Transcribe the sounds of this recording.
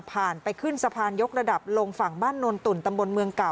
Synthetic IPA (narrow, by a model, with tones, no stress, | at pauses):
pʰaː˨˩npa˧jkʰɯ˥˩nsa˧pʰaː˧njo˦˥k̚ɾa˧da˨˩p̚lo˧ŋfa˨˩ŋbaː˥˩nːo˧nt̪u˨˩nt̪a˧mbo˧nmɯ˧əŋka˨˩w